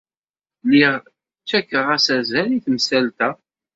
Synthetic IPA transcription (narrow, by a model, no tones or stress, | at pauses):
liʁ | t͡ʃːækːəʁæsæzæliθmsælt̪æ